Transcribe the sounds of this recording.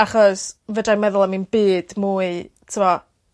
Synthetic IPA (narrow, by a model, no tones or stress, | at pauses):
aχɔsvədamɛðʊlˠaminbɨːd̥muːɨ | tʰumɔ